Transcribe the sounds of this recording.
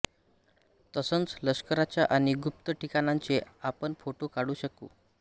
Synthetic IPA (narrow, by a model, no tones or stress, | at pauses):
t̪əsənt͡sləskəɾat͡ɕjaʔaɽ̃iɡup̚t̪əʈikanãɲt͡seapəɳfoʈokaɽuːɕəkṵː